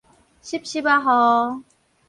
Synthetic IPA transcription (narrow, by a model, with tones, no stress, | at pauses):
ɕi˦˥p̚ɕi˥pa˧˥ɦɔ˧